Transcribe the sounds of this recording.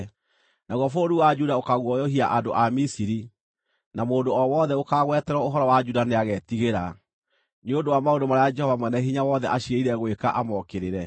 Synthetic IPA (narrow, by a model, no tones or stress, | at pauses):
naɣwɔfoɾuwad͡ʒudaokaɣwɔjɔhiaʔandoʔamisiɾi | namoːndoɔwɔðɛokaɣwɛtɛɾɔoɦɔɾɔwad͡ʒudaneaɣɛtiɣeɾa | neondowamaondomaɾajad͡ʒɛhɔvamwɛnɛɦiɲawɔðɛʔaɕieiɾɛɣwekaʔamɔkeɾeɾɛ